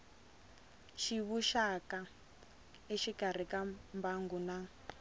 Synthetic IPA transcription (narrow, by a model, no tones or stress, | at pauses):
ʃiβuʃaka | iʃikar̤ikambaŋɡuna